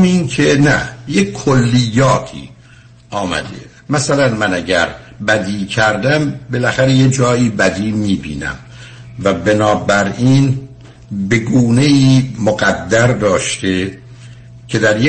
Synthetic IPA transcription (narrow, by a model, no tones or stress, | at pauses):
miːnkʰenæ̰jeolːijːɒːt̪ʰḭː | ʔɒːmæ̰d̪ḛ | mæsælænmænæɟæɾbæd̪iːcʰæɾd̪æmbe̞læxæɾejed͡ʒɒːiːbæd̪iːmiːbḭːnæ̰m | væbenɒːbæɾiːn | be̞ɡuːne̞iːmoɡæd̪ːæɾd̪ɒːʃt̪e | cʰe̞d̪æɾje